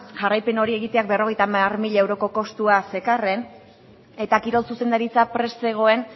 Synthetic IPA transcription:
ʝarajpe̞no̞ɾie̞ɣit̪e̞ak̚be̞ro̞ɣe̞jt̪amarmiʎae̞wɾo̞ko̞ko̞st̪uase̞kare̞n | e̞t̪akiɾo̞lsuse̞nd̪aɾit͡sapɾe̞sːe̞ɣ̞o̞e̞n

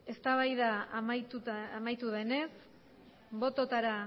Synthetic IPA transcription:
e̞st̪aβajðamajt̪uamajt̪uðe̞ne̞s | bo̞t̪o̞t̪aɾa

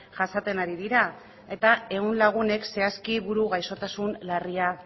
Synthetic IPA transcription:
ʝasat̪e̞naɾiðiɾa | e̞t̪ae̞ɣunlaɣ̞une̞kse̞askiβuɾuɣajso̞t̪asunlaria

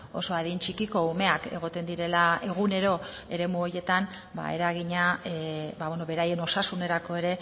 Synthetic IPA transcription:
o̞̰so̞aðint͡ʃikiko̞ume̞ake̞̰ɣ̞o̞t̪e̞nd̪iɾe̞lae̞ɣ̞une̞ɾo̞ | e̞ɾe̞muo̞je̞t̪an | ba̰e̞̰ɾaɣiɲa | baβweno̞βe̞ɾaje̞no̞sasune̞ɾako̞e̞ɾe̞

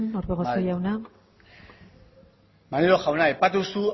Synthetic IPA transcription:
noɾβeɣosojawna | maniloxawnajpat̪usu

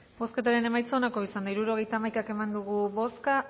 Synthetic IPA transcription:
bo̞sket̪aɾe̞ne̞majt͡sonako̞isand̪aiɾuɾo̞ɣ̞e̞jt̪aːmajkake̞mand̪uɣuβo̞ska

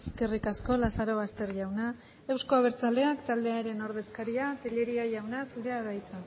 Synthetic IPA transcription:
eske̞rikasko̞lasaɾo̞βast̪e̞ɾʝawna | e̞wsko̞aβ̞e̞ɾt͡sald̪e̞akt̪ald̪e̞aɾe̞no̞ɾð̞e̞skaɾiat̪eʎe̞ɾiaʝawnasuɾeaɾajt͡sa

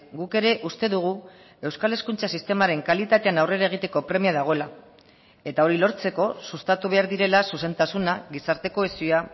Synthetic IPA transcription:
ɡuke̞ɾe̞ʔust̪e̞ðuɣ̞u | e̞wskale̞skunt͡sasist̪e̞maɾe̞ŋkalit̪at̪e̞anawre̞ɾaeɣ̞it̪e̞ko̞pɾe̞miaðaɣ̞o̞la | e̞t̪ao̞ɾilo̞ɾt͡se̞ko̞sust̪at̪uβ̞e̞aɾðiɾe̞lasuse̞nt̪asunaɣisaɾt̪e̞ko̞esia

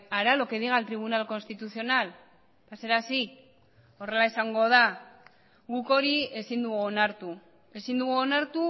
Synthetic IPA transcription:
aɾalo̞keðiɣalt̪ɾiβ̞unalko̞nst̪it̪uθio̞nal | pase̞ɾasi | o̞re̞laesaŋɡo̞ð̞a | ɣuko̞ɾie̞sind̪uɣonaɾt̪u | e̞sind̪uɣuonaɾt̪u

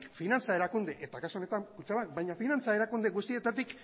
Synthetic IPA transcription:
kfinant͡sae̞ɾakund̪e̞ʔet̪akasuo̞ne̞t̪amkut͡ʃaβak̚bajɲafinant͡sae̞ɾakund̪eɣust̪ie̞t̪at̪ik

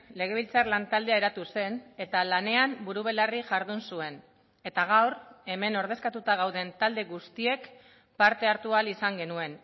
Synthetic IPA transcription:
le̞ɣ̞e̞βilt͡sarlant̪ald̪eae̞ɾat̪use̞ne̞t̪alane̞ambuɾuβ̞e̞lariʝaɾðunsue̞n | e̞t̪aɣ̞awre̞me̞no̞ɾð̞e̞skat̪ut̪aɣ̞awðe̞nt̪ald̪e̞ɣust̪ie̞k | paɾt̪e̞aɾt̪ualisaŋɡe̞nue̞n

